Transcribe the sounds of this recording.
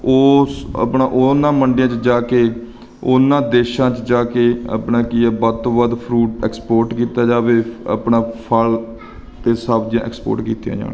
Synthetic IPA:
oːə̰pnãːʔonãːməɳɖɪjãːt͡ʃd͡ʒaːkeː | ʊnãːd̪eːʃãːt͡ʃd͡ʒaːkeːə̰pɳãːkɪaːbət̪oːbəd̪pʰɾuːʈɛːkspoːɾʈkiːt̪aːd͡ʒaːʋeːə̰pɳãːpʰəl | t̪eːsaːbd͡ʒjãːʔɛ̰ːkspo̰ːɾʈkiːt̪ijã̰ːd͡ʒa̰ːnː

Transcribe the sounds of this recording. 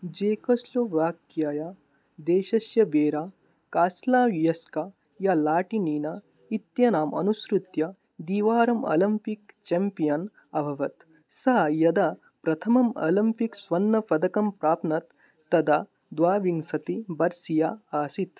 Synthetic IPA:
d͡ʒeːkɐsloʋaːkjaːja | d̪eːʃɐsjɐbeːɾaː | kaːslaːʋjɐska | jalaːʈiniːna | it̪jɐnaːmɐ̰nusɾut̪jɐ | d̪iːʋaːɾɐmɐ̰lɐmpikt͡ʃempijɐn | ɐbʱɐʋɐt̪ | saːjɐd̪a | pɾɐt̪ʰɐmɐmɐ̰limpiksʋɐnːɐpɐd̪ɐkɐmpɾaːpnɐt̪ː | ɐd̪a | d̪ʋaːʋiŋsɐt̪ibɐɾsijaaːsit̪

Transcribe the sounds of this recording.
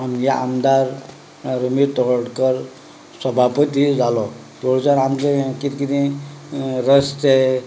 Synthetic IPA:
anjaa̰md̪aɾ | ɾəmit̪ɔɦəɽkəɾ | səbʱapət̪id͡zalɔt̪oɭt͡saɾamkekit̪kit̪ĩ | ɾəste

